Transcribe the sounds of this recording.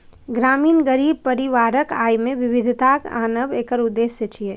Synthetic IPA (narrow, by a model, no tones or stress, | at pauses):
ɡɾaːmiːnɡəɾiːb̚pɐɾɪʋaːɾəkaːjmẽʋɪʋɪd̪ʱt̪aːka̰ːnəbeːkəɾʊd̪ːeːsːet͡ʃie